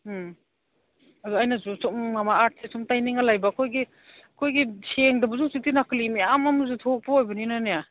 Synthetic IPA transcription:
ɐdɔajnazusumːamaat̚sesumtajniŋalajbaːkʰojɡi | ɐkʰojɡiseŋdabuzusitinaklimiamamuzutʰok̚pɔojbɐninaneja

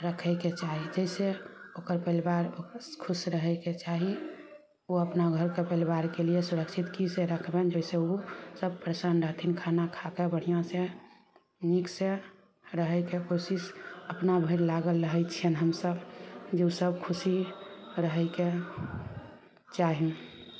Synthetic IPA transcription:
ɾəkʰəɪket͡ʃaɦid͡ʒəɪse | okəɾpəlbaɾokʰusɾəɦɛket͡ʃaɦi | uəpnaɡʱəɾkepəlibaɾkeliesuɾəksʰit̪kiseɾəkʰbend͡ʒəɪseusəb̚pɾesənɾəɦt̪ʰinkʰanakʰakebəɽ̤ijãse | nikse | ɾəɦɛkekosisəpnabʱəɾlaɡəlɾəɦɛt͡ʃʰiənɦəmsəbd͡ʒeusəb̚kʰusiɾəɦɛke | t͡ʃaɦĩ

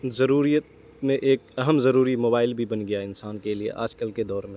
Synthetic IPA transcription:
zɐɾuːɾijət̪ | mẽʔeːk̚ɐɦəmzɐɾuːɾimoːbaːɪlbʱibɐnɡɐjaɪnsaːnkeliḛʔa̰ːd͡ʒkəlked̪ɔːɾmẽ

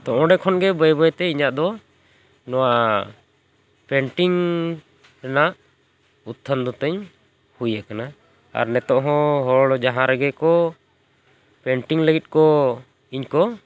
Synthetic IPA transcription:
t̪ɔʔɔ̃ɖɛkʰɔnɡɛbəjbəjt̪ɛiɲaʔd̪ɔ | nɔwa | pɛɳʈiŋ | ɾɛnaʔ | ut̪ʰːənd̪ɔt̪əɲ | hujakana | a̰ɾnɛt̪ɔʔɦɔ̃ɦɔɭɔd͡ʒaɦãɾɛɡɛkɔ | pɛɳʈiŋləɡit̪̚ˀkɔ | iɲkɔ

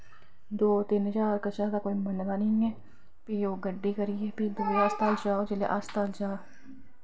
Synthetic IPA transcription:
d̪oːt̪ɪnt͡ʃaːɾkət͡ʃaːd̪aːkoːimənd̪aːnĩɛː | pioːɡəɖːeːkəɾiɛpid̪oːast̪aːld͡ʒaːod͡ʒɪlḛːʔast̪aːld͡ʒaː

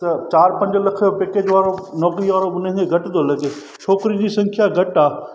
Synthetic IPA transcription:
t̪ɐt͡ɕaːɾpɐ̃ɲd͡ʑlɐkʰjopeːkeːd͡ʑʋaːɾonɔːkɾiʋaːɾoʊnɪ̃ŋkʰeɡʱɐʈd̪olɐɡeː | ʃʰoːkɾid͡ʑiːsɐ̃ŋkʰjaɡʱɐʈaː

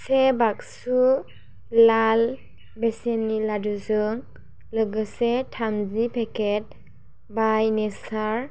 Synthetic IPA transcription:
sebaksu | lal | bɛsenːiladuzɯŋ | lɯɡɯsetʰamzipʰɛket̚ | bajnɛsaɹ

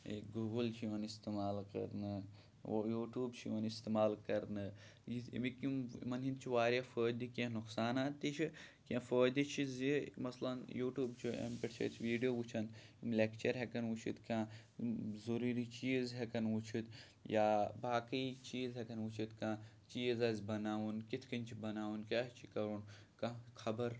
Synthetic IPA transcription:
ḛkɡuːɡəlt͡ʃʰiʋɐnist̪emaːlkɐ̰ɾnɨ | juːʈjuːbt͡ʃʰiɐnist̪eːmaːlkɐɾnɨjḭmikimmɐnĩnt͡ʃʰiʋaːɾʲjafoːd̪ikẽnuksaːnaːt̪ːit͡ʃʰikẽfoːd̪it͡ʃʰizimɐslɐnjuːʈjuːbt͡ʃʰiḛmpeʈt͡ʃʰɐ̰t͡ʃʰʋiːɖijoːʋut͡ʃʰɐnimlekt͡ʃɐɾɦekɐnut͡ʃʰḭt̪kʲãː | zoɾuːɾit͡ʃiːzɦɛkɐnut͡ʃʰit̪ | jaːbaːkɐit͡ʃiːzɦɛkɐnut͡ʃʰit̪kãː | t͡ʃiːzɐzʲbɐnaːʋunkit̪ʰkɐnʲt͡ʃʰibɐnaːwunkʲaːt͡ʃʰikɐɾun | kɐ̃kʰɐbɐɾ

